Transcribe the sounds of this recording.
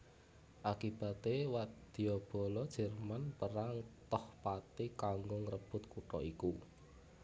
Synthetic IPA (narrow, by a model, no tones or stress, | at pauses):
ʔakib̥a̤t̪ewad̪̥i̤ɔb̥ɔ̤lɔd̥ʒ̥ɛ̤rmanpəɾaŋt̪ɔhpat̪ikaŋɡʊŋrəb̥ʊ̤t̪kuʈɔiku